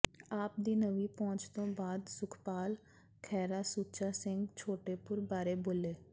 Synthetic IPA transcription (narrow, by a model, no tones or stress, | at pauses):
aːp̚d̪iːnəʋiːpɔ̃ːt͡ʃt̪õːbaːd̪sʊkʰpaːl | kʰɛːɾaːsuːt͡ʃaːsɪ̃ŋɡt͡ʃʰoːʈeːpʊɾbaːɾeːboːleː